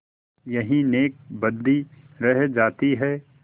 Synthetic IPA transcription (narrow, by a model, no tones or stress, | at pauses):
jɐɦĩneːk̚bɐd̪i | ɾɛɦd͡ʒaːt̪iɦɛː